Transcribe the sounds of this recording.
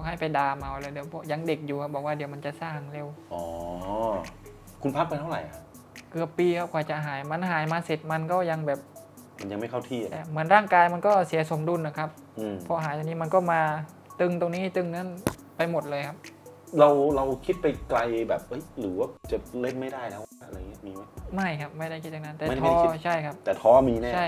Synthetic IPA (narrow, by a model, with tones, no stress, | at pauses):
ɔː˧˩ɦa˥˩jpa˧jdaː˧mʔa˧˩wlɯː˧jdi˩˦wpʰɔ˧˥ja˧ŋde˨˩k̚juː˨˩kʰa˦˥p̚bɔː˨˩k̚waː˥˩di˨˩˦wma˧nt͡ɕa˨˩saː˧˥˩ŋle˧˨wʔɔː˩˦ | kʰu˧npʰa˦˥k̚pa˧jt̪ʰa˥˩wɾa̰˨˦jaa˦˥ | kɯ˨˩əpːiː˧kʰa˦˥p̚kʰɔː˨˩t͡ɕa˨˩ɦaː˩˦jma˧˦˥nɦaː˨˩˦jmaː˧se˨˩t̪̚ma˧nkɔː˥˩ja˧ŋbɛː˨˩p̚ | ma˧nja˧ŋma˥˩jkʰa˥˩wt̪ʰi˥˧˩t̪ɛː˨˩mɯ˩˦ənɾaː˥˩ŋkaː˧jma˧nkɔː˥˩si˨˩˦ɐso˩˦mdu˧nʔa˨˩kʰa˦˥p̚ | ʔɯ˧ɔ˧˥ɦaː˩˦jt̪a˧ŋniː˦˥ma˧nkɔː˥˩maː˧ | t̪ɯ˧ŋt̪o˧ŋniː˦˥˨t̪ɯ˧ŋna˦˥n | pa˧jmo˨˩t̪̚lɤː˧jkʰa˦˥p̚ɾa˧wɾa˧wkʰi˦˥t̪̚pa˧jkla˧jbɛː˨˩p̚ʔɤ˦˥jɾɯː˩˦waː˥˩t͡ɕa˨˩le˥˩nma˥˩jdaː˥˩jna˦˥wa˧˩a˦˥˨ŋi˦˥˩miː˧ma˦˥˩ma˥˩jkʰa˦˥p̚ma˥˩jɾa˥˩kʰi˦t̪̚t͡ɕa˨˩na˦˥nt̪ɛː˨˧˥t̪ʰaɔː˧˥t͡ɕʰa˥˩jkʰa˦˥p̚t̪ɛː˨˩t̪ʰɔː˦˥miː˧nɛː˥t͡ɕʰa˥˩j